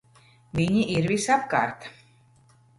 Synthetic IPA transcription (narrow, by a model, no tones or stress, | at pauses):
viɲiʔiɾvisapka̰ːɾt̪